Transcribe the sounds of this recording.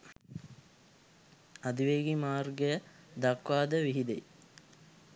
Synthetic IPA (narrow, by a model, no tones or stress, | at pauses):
ɐd̪iʋeːɡimaːrɡəjə | d̪akʋaːd̪əʋiɦid̪e